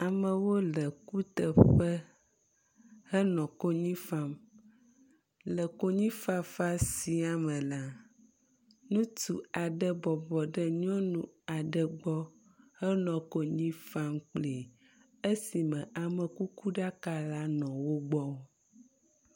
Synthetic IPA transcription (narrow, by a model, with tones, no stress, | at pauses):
a˨mə̃˨wo˦lə˨ku˦t̪ə˨ɸə˦ | hə˦nɔ̃˨ko˦ɲĩ˦fa˦m | lə˨ko˦ɲĩ˦fa˦fa˦si˨a˨mə̃˨la˦ | nũ˦t̪ṵ˨a˨ɖə˦bɔ˨bɔ˨ɖə˦ɲɔ̃˦nũ˨ | a˨ɖə˨ɡ͡bɔ˦ | hə˦nɔ̃˨ko˦ɲĩ˦fa˦mk͡ple˨ | ə˦si˨mə̃˨ʔa˨mə̃˨ku˦ku˦ɖa˦ka˦la˦nɔ̃˨wo˦ɡ͡bɔ˦